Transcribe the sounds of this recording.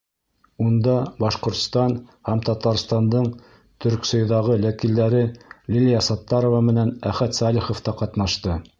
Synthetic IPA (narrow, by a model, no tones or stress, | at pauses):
und̪ɑbɑʃqŏɾt̪st̪ɑnhæmt̪ɑt̪ɑɾst̪ɑnd̪ɤɴ | t̪ʰɵ̆ɾksŏjðɑʁɤlækild̪æɾɘlʲilʲijɑsɑt̪ːɑɾovɑmɘ̆nænæχæt̪sɑlʲiχŏft̪ɑqɑt̪nɑʃt̪ɤ